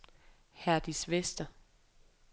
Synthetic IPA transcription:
hæɐd̥isʋesd̥ɐ

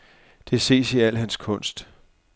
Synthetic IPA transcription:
d̥e̝ɐse̝̰ːsiæl̰hænskʰɔ̽n̰sd̥

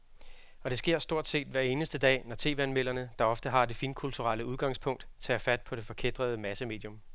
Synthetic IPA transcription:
ɒ̽ɾ̥e̝sɡ̥e̝ɐ̰sd̥o̝ɐ̰d̥se̝̰ːd̥ʋæɐe̝ːnəsd̥əd̥ɛ̰ːnɒt͡sʰe̝̰ːʋænmel̰ɐnəd̥ɑ̈ɒ̽fd̥əɦɑ̈d̥e̝finkʰult͡sʰuʁɑləuð̞ˠɡ̥ɑ̈ŋ̰spʰɔ̽ŋ̰d̥t͡sʰɛ̰ːfæd̥̚pʰɒ̽ɾ̥e̝fɒ̽kʰed̥ʁɐð̞ˠəmæsəme̝ːd̥jɔ̽m

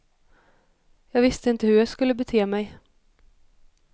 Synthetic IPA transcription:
jɑːɡvɪst̪əɪnt̪əhɵɾjɑskɵlːəbɛt̪ʰeːmɛj

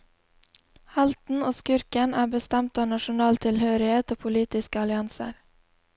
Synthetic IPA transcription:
hɑlt̪n̩oːskʏɾkənæːbəst̪ɛmt̪ɑːnɑʃʊnɑːlt̪ʰɪlhøːɾɪheːt̪oːpʰʊliːt̪ɪskəɑlɪɑnsə̰ɾ

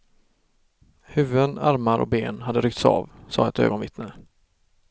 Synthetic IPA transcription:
hʉ̟ːvəd̪ənaɾmaɾʔɔ̰k̚beːnɦad̪ːəɾʏk̚t̪sɑ̰ːvsɑ̰ːɛt̪ø̰ːɡɔnvɪt̪nə

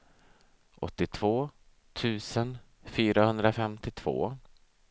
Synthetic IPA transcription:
ʔɔ̰t̪ːɪt̪ʰv̥oː | t̪ʰʉ̟ːsən | fyːɾahɵnd̪ɾafɛmt̪ɪt̪ʰv̥o̰ː

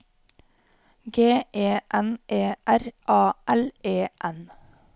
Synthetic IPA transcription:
ɡeːʔeːʔɛnʔeːʔæɾʔɑːʔɛleːʔɛn

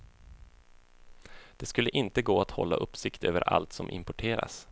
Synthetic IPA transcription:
d̪̥ɛskɵlːəʔɪnt̪əɡoːat̪hɔ̰lːaʔɵpːsɪkt̪øːvəɾʔa̰lt̪sɔmʔɪ̰mpɔʈʰeːɾa̰s

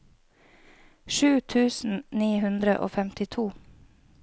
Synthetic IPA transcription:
ʃʉːt̪ʰʉːsn̩niːhʉnd̪ɾə̰ʔo̰ːfɛmt̪ɪt̪ʰuː

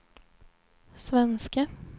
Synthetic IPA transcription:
svɛnska

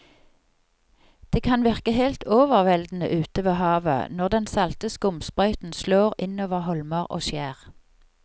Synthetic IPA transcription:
d̪̥eːkʰɑnʋɪʁkəhelt̪ʰoːʋəʁʋɛld̪n̩ə̰ʔʉːt̪əʋeːhɑːʋə̰nɔʁd̪ɛnsɑlt̪əskʊmspʁœʏt̪n̩sloːʁɪnoːʋəʁhɔlməʁʔo̰ːʃjæːʁ

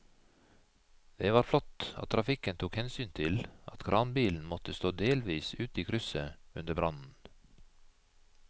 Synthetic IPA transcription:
d̪̥eːʋɑːɾflɔt̪ɑ̰tt̪ʰɾʔɑfɪkənt̪ʰuːkhɛnsyːnt̪ʰɪlʔɑ̰t̪kʰɾʔɑːnbiːln̩mɔt̪əst̪oːd̪eːlʋiːsʉːt̪iːkʰɾʏsəʉnd̪əbɾɑnn̩

